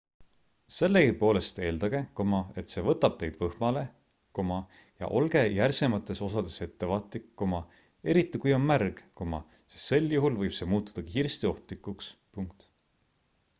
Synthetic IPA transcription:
se̞lːeɡipo̞ːle̞st̪e̞ːld̪ɑɡ̥e̞komɑe̞t̪se̞ːvɤt̪ːˑɑb̥̚t̪e̞jd̪̥vɤhmɑle̞ | komɑ | jɑ̰ʔo̞lɡ̥e̞jærse̞mɑt̪ːˑe̞so̞sɑd̪̥e̞se̞t̪ːe̞vɑːt̪ˑlikːomɑ | e̞ɾit̪ˑːikujo̞nmærɡ̥komɑ | sest̪se̞ljuɦulvɤjb̥se̞muːt̪ːu̥d̪̥ɑkiːɾst̪io̞ht̪likːˑukspuŋk̚t̪

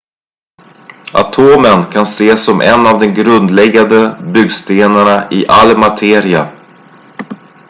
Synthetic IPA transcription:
ʔa̰t̪ʰoːmənkʰanseːsːɔmʔɛ̰nːavd̪ɛnɡɾɵnd̪lɛɡːand̪əbʏɡst̪eːnaɳaʔɪʔalːmat̪ʰeːɾɪa

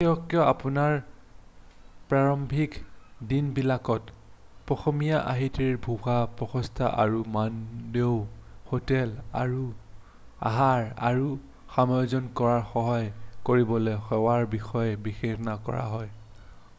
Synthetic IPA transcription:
ɛɔkjɔapunaɹ | pɹaɹɔmbʱikdinbilakɔt | pɹɔxomijaʔa̰ɦitiɹbʱuxapɹɔxɔstʰaʔa̰ɹumandewhotɛla̰ɹu | a̰ɦaɹa̰ɹu | xamɔjɔzɔnkɔɹaɹxɔɦɔjkoɹibɔlexɔwaɹbixɔjɛbixexnakɔ̰ɹa̰ɦɔj

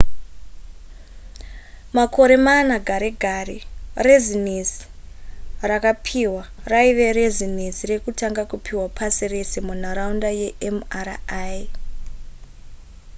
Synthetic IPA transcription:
mako̞ɾe̞manaɡʱaɾeɡʱarerezinisi̥ | rakapʰiwaraiʋe̞ɾezin̤isire̞kutaŋɡakupʰiwapʰasire̞se̞mun̤aɾaundajeʔemaraj

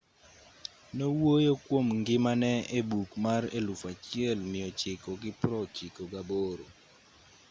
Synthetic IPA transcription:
nowojokwomŋɡɪmanɛebukmarelufat͡ʃɪɛlmɪjɔt͡ʃɪkɔɡɪpɾɔt͡ʃɪkoɡaboɾo

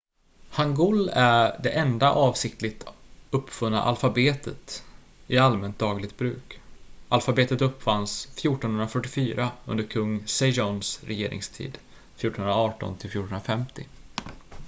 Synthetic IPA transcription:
haŋɡʊlæɖɛʔɛnd̪aʔɑːvsɪk̚t̪ʰlɪt̪ɵpːfɵnːa̰ʔalfabeːt̪ʰət̪ | ɪalmɛnt̪̚d̪ɑːɡlɪɡt̪̚bɾʉ̟ːkʔalfabeːt̪ət̪ɵpːfansfjuːʈɔnhɵnɾafœʈːɪfyːɾaɵ̰nd̪əɾkʰɵŋːsɛʒɔnsɾɛjeːɾʔɪ̰ŋst̪ʰḭːd̪ | fjuːʈːɔnhɵənɾaɑːʈɔ̰nt̪ʰɪlfjuːʈəɳh̪nɾafɛmt̪ɪ

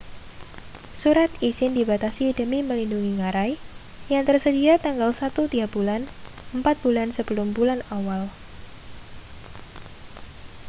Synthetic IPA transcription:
suɾat̪isɪndibat̪asidəmiməlinduŋiŋaɾaj | jaŋt̪ərsədiat̪aŋɡalsat̪ut̪iɡabulan | əmpat̪̚b̥ulansəbəlʊmbulanawal

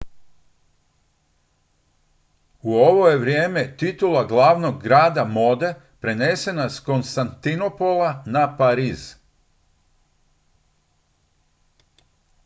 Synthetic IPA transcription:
uo̞ʋoje̞ʋɾje̞ːme̞t̪it̪ulaɡlˠaːʋno̞ɡːɾaːd̪amo̞ːd̪e̞ | pɾe̞ne̞se̞nasko̞nst̪ant̪ino̞polˠanapaɾiːz

